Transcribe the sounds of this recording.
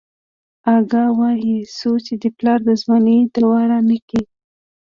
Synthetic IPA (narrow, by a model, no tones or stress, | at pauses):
ɑɡɑwɑjisot͡ʃed̪əplɑɾd̪əzwaned̪awɑɾanəki